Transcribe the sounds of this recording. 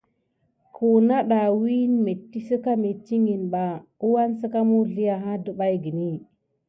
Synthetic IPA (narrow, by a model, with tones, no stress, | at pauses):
ku˨na˦ɗa˨wi˦nme˨tːi˦sə˦ka˦me˨t͡ʃi˦ŋi˨nɓa˨u˦wa˦nsə˦ka˦mu˦ɮi˦ja˨ɦa˦du˦ɓa˦jɡi˨ni˦